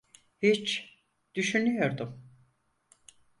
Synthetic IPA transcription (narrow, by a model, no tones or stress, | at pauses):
hit͡ʃ | d̪̥yʃynyjo̞ɾd̪ʊm